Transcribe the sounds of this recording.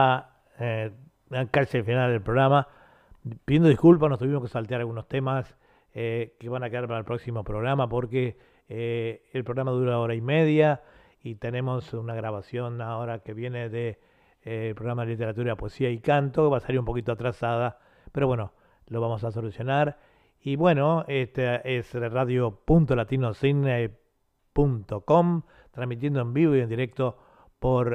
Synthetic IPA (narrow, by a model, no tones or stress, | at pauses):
a | akat͡ʃefinald̪elpɾo̞ɣɾama | piðjend̪oihkulp̬asnost̪uβimo̞skesalt̪eaɾalɣuno̞st̪emas | keβanakeðaɾpaɾaelpɾo̞ksimo̞pɾo̞ɣɾamapo̞ɾke | lpɾoɣɾamaðuɾaoɾaimeðja | it̪ene̞mo̞sunaɣɾaβasjo̞naoɾakeβjeneðe | lpɾoɣɾamaðelit̪e̞ɾat̪uɾapoesiaikant̪o̞keβasealiɾumpo̞kit̪oat̪ɾasaða | peɾo̞βweno | loβamo̞s̬as̬o̞lusjo̞naɾ | iβwenoet̪aesraðjopunt̪o̞lat̪inosine | punt̪okom | t̪ɾazmit̪jend̪oembiβoiend̪iɾek̚t̪o | poɾ